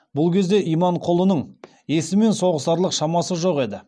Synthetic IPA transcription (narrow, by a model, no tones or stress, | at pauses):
bʊlˠkʲʰe̞zd̪e̞ʔijmɑɴqʰolˠənəɴ | je̞sɪme̞nso̞ʁəsɑɾlˠəqʃɑmɑsəʒo̞qe̞d̪ɪ